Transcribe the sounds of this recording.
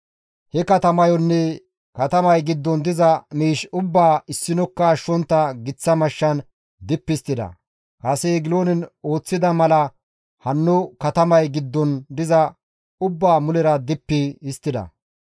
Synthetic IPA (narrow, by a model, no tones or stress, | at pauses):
hɛkɐt̪ɐmɐjɔnːɛ | kɐt̪ɐmɐjɡɪd̪ːɔnd̪ɪzɐmiːʃʊbːaːɪsːɪnɔkːɐːʃːɔnt̪ːɐɡɪt͡sːɐmɐʃːɐn | d̪ɪpːɪst̪ːɪd̪ɐ̰ | kɐsɛɡɪloːnɪno̞ːt͡sːɪd̪ɐmɐlɐ | hɐnːʊkɐt̪ɐmɐjɡɪd̪ːɔnd̪ɪzɐ | ʊbːaːmʊlɛɾɐd̪ɪpːɪɪst̪ːɪd̪ɐ̰